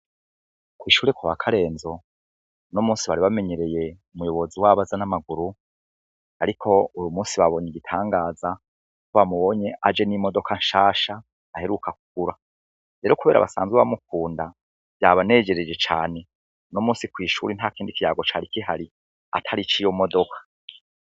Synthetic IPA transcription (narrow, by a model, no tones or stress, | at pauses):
kwiːʃuːɾekwuβa̰kʰaɾe̞ːnzo̞ | nomuːnsiβaɾiβame̞ɲe̞ɾe̞je̞umujo̞βo̞ziwaβazanamaɡuɾu | aɾikʰo̞ujumuːnsiβaβo̞ɲiɡitʰaːŋɡaːza | koβamuβo̞ɲe̞ʔad͡ʒe̞nimo̞do̞kʰanʃaːʃaː | he̞ɾukʰakuɡ̥uɾa | ɾe̞ːɾo̞kuβe̞ːɾa̰βa̰sa̰ːnzɡweβamuk̚uːnda | b̥jaːβane̞ːd͡ʒe̞ɾed͡ʒe̞t͡ʃa̰ːne̞ | nomuːnsikwiːʃuɾin̥hakiːndikijaːɡo̞t͡ʃaɾikiɦaɾi | a̰tʰaɾit͡ʃijo̞mo̞do̞kʰḁ